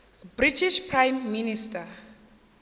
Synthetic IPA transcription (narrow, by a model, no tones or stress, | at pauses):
britiʃpʰrãjmːinista